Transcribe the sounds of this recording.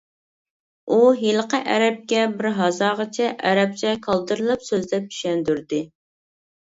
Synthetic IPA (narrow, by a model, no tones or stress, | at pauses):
uɦelˠəqəʔæɾɛp̚kʲɛbɪɾɦɑzɑːʁɑt͡ʃʰɛʔæɾɛp̚t͡ʃʰɛkʰɑlˠd̪ɨɾɨlˠɨpsøzd̪ɛp̚y̥ʃɛnd̪yɾd̪ɪ